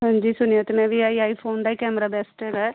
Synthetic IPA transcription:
ɦãːɲd͡ʒiːsʊnijot̪emɛ̃ːʋiːaːiːaːiːpʰoːnd̪aikɛːməɾaːbɛːsʈɦɛːɡaːɛ

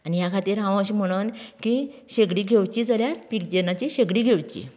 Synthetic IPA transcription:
anijakʰat̪iːɾɦãʋəɕiːm̤əɽ̃unkiɕeɡɽiːɡʱewt͡ɕiːd͡zəljapik̚d͡ʑenat͡ɕiɕeɡɽiːɡʱeʋt͡ɕḭ

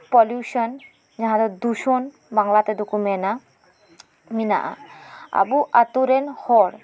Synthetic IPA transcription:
pɔljuʃɔn | d͡ʒaɦãd̪ɔd̪uʃɔn | baŋlat̪ɛd̪ukumɛna | mina̰ʔa̰a̰buʔat̪uɾɛnhɔɽ

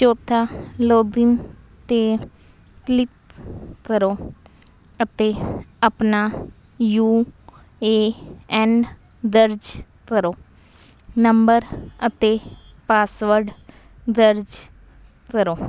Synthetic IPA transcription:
t͡ʃoːt̪ʰaːloːd̪in | t̪eː | klɪt̪̚kəɾoː | ət̪eːəpnaː | juː | eːɛːn | d̪əɾd͡ʒkəɾoː | nəmbəɾət̪eː | paːsʋəɾɖ | d̪əɾd͡ʒ | kəɾoː

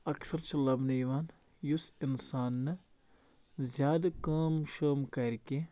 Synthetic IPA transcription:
ɐksɐɾt͡ʃʰɐlɐbnɐjʋaːn | jusinsaːnːɨ | zʲjaːd̪ɐkaːmʃəːmkɐɾʲkʲe

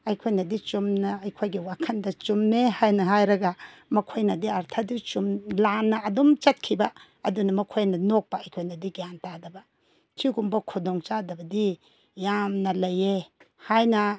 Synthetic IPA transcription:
ajkʰojnɐdit͡ʃumnaɐjkʰojɡiwakʰɐndɐt͡ʃumnehajnɐɦajɾɐɡa | mɐkʰojnɐdiaɾtʰadit͡ʃumlanːɐːdɔmt͡ʃɐt̚kʰiba | ɐdunɐmɐkʰojnɐnɔk̚baajkʰojnɐdiɡijantadɐba | tʰiɡumbɐkʰudɔŋt͡ʃadɐbɐdi | jamnɐlɐje | hajnɐ

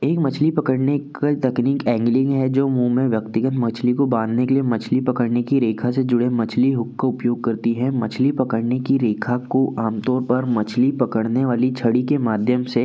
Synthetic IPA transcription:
eːkmɐt͡ʃʰlipɐkəɽnekat̪ɐkniːkɛ̃ːŋɡlɪ̃ŋɡɦɛd͡ʒoːmuːmẽʋjɐkt̪ɪɡət̪mɐt͡ʃʰlikobãːnd̪nekeliemɐt͡ʃʰlipɐkəɽnekiɾeːkʰased͡ʒʊɽemɐt͡ʃʰliɦʊkːaʊpjoːɡ̚kɐɾt̪iɦɛ̃mɐt͡ʃʰlipɐkəɽnekiɾeːkʰakoʔaːmt̪ɔːɾpɐɾmɐt͡ʃʰlipɐkəɽneʋaːlit͡ʃʰɐɽikemaːd̪ʱjəmse

